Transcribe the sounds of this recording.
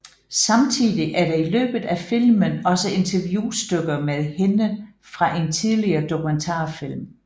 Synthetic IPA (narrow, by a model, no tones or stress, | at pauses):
sɑ̈mt͡sʰið̰ˠiʔæɐɾɑ̈ilø̰ːb̥ð̩ˠæfil̰mənɒ̽səe̝nt͡sʰɐʋjuːsd̥øɡ̥ɐmeðˠhe̝nə | fʁɑ̈ʔe̝nt͡sʰið̞ˠliɐːd̥o̝kʰument͡sʰɑ̰̈ːfil̰m